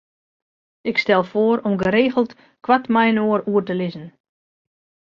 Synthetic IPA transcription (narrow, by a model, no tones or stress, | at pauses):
ɪkstɛlˠfoəɾɔmɡəɾeːɣəl̩ˠt | kwatmɛjnoːəɾuərtəlɪzən̩